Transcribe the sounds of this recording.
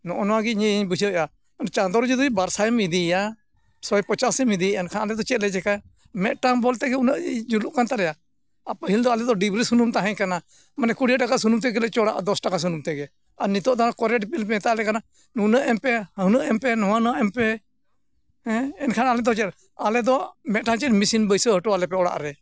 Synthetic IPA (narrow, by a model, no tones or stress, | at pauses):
nɔʔɔnɔwaɡiɲɛɲbud͡ʒəja | nt͡ʃand̪ɔɾd͡ʒid̪ɔibaɾsamid̪ija | sɔɛpət͡ʃasɛmid̪iɛnkʰanalɛd̪ɔt͡ʃɛt̪̚lɛd͡ʒɛka | mɛt̪̚ʈambɔlt̪ɛɡɛunəʔd͡ʒuluʔkant̪aɾɛjaː | pəɦild̪ɔalɛd̪ɔɖibɾisunumt̪aɦɛ̃ɲkana | manɛkuɽiaʈakasunumt̪̬ɛɡɛlɛt͡ʃɔɽa̰ʔd̪ɔsʈakas̬unumt̪ɛɡɛ | aɾnit̪ɔʔt̪ankɔɾɛʈpilpɛɛt̪aʔlɛkana | nunəʔɛmpɛhənəʔɛmpɛnɔwanaʔɛmpɛ | ɛɛnkʰanalɛd̪ɔt͡ʃɛt̪ɛ | alɛd̪ɔmɛt̪̚ʈaŋt͡ʃɛmisinbəjsəɦəʈɔalɛpɛɔɽa̰ʔɾɛ